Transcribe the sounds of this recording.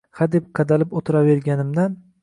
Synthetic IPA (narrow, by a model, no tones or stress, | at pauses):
had̪e̞p̚qʰɑd̪alɪpot̪ʰɪɾave̞ɾɡʲanɪmd̪an